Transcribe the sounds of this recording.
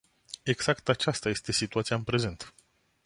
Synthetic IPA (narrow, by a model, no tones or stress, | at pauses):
e̞ɡz̥akt̪at͡ʃast̪aje̞st̪e̞sit̪uat̪siaɨnpɾe̞ze̞nt̪